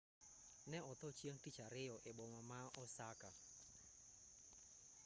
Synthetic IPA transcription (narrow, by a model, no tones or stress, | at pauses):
nɛɔt̪ɔt͡ʃieŋtit͡ʃaɾɪjɔʔeboŋamaɔsaka